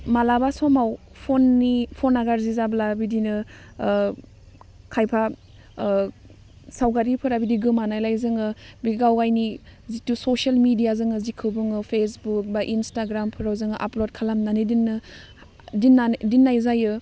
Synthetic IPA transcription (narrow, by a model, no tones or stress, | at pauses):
malabasɔmaw | pʰonːipʰonaɡaɾzizablabidinɯ | kʰajpʰa | sawɡaɾipʰɯɾabidiɡɯmanajlajzɯŋɯbiɡawajnizitusosalmidijazɯŋɯzikʰɯbɯŋɯpʰesbuk̚baʔinstaɡɾampʰɯɾawzɯŋɯʔaplod̚kʰalamnanidinːɯ | dinːadinːajzajɯ